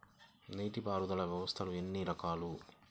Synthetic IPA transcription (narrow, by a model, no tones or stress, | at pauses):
niːʈipaːɾud̪ɐlɐʋjɐʋɐst̪ʰɐluenːiɾɐkaːlu